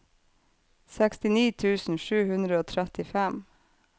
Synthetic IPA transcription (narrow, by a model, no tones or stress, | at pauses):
sɛkst̪ɪniːt̪ʰʉːsn̩ʃʉːhʉnd̪ɾəoːt̪ʰɾɛt̪ɪfɛm